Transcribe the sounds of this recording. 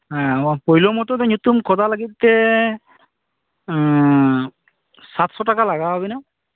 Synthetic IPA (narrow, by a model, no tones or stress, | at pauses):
ɦɛ̃pojlomɔt̪ɔt̪ɛɲut̪umkʰɔd̪alaɡit̪t̪e | sat̪sɔʈakalaɡaɦɔbina